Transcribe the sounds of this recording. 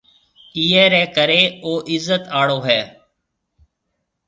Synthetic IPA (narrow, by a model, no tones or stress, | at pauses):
iːɛːɾɛːkəɾeːoːʔɪzːət̪aːɽoːɦɛː